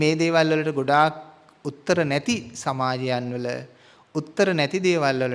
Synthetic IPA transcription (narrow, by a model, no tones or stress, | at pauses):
meːd̪eːʋalʋɐləʈəɡoɖaːk̚ | ut̪ːəɾənɛt̪isɐmaːd͡ʒɐjanʋələ̰ | ut̪ːəɾənæt̪id̪eːʋalʋɐlə